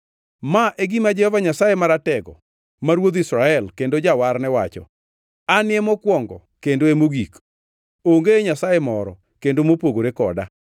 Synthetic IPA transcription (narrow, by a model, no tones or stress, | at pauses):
maʔeɡimad͡ʒɛhɔvaɲasajemaɾatɛɡɔ̰ | maɾwod̪isɾaɛlkendod͡ʒawarnɛwat͡ʃɔ̰ | anɪemɔkwɔŋɡɔ̰kendoemoɡik | oŋɡeɲasajemɔɾɔ̰ | kendomopoɡoɾekɔ̰da̰